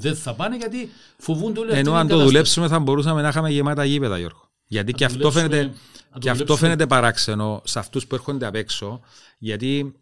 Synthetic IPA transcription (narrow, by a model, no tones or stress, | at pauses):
ðenθɐpɐneʝɐt̪i | fovund̪oleenoɐnt̪oðulepsumeθɐmbo̞ɾus̬ɐmenɐxɐmeʝemɐt̪ɐʝipet̪ɐ̰jo̰ɾɣo | ʝɐt̪iceɐofenet̪ec̪eɐft̪o̞fenet̪̬epɐɾakseno̞sɐft̪uspueɾxond̪eɐpekso̞ | ʝɐt̪i